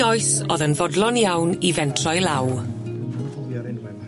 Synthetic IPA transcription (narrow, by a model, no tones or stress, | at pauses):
ɔjsoːðənvɔdlˠɔnjawnivɛntʰrɔjlˠaw